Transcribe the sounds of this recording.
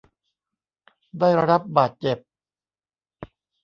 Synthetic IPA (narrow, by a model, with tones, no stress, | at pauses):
daː˥˩jɾa˧ɾa˦˥p̚baː˨˩t̪̚t͡ɕe˨˩p̚